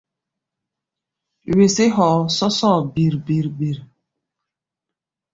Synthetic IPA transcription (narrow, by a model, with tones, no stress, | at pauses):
we˨se˦ɦɔ˨˦sɔ˦sɔ˦˨bi˨ɾbi˨ɾbi˨ɾ